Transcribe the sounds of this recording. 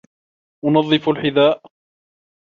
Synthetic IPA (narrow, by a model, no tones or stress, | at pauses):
ʔʊnɑðˤːɨfalħɪðaːʔ